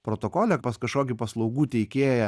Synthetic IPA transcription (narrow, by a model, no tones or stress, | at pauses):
pɾoːt̪oːkoːlʲɛpɐskɐʃkoːkʲɪpɐslˠɒʊɡuːt̪ʲɛɪkʲeːjɛ